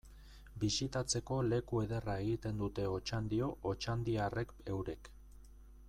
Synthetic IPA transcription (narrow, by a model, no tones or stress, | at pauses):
bisit̪at͡se̞ko̞le̞kue̞ðe̞rae̞ɣit̪e̞nd̪ut̪e̞o̞t͡ʃand̪io̞ʔːt͡ʃand̪iare̞ke̞wɾe̞k